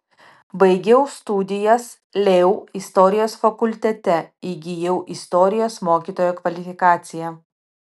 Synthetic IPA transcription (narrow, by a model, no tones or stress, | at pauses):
bɐɪɡʲɛʊst̪ud̪ʲɪjɛs | lʲɛʊɪst̪ɔɾʲɪjoːsfɐkʊlʲt̪ʲɛt̪ʲɛɪɡʲɪjɛʊʔɪst̪ɔːɾʲɪjoːsmoːkʲiːt̪oːjoːkʋɐlʲɪfʲɪkɑːt̪sʲɪjɛ